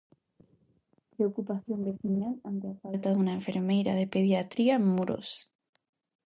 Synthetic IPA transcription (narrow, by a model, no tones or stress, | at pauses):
pɾeokupaθjo̞mbeθinalant̪eafalt̪aðunaeɱfe̞ɾmejɾaðepeðjat̪ɾiaemːuɾʔo̰s